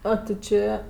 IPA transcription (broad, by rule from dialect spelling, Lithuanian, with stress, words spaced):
ˈoː tʲɪ ˈt͡ʃʲeː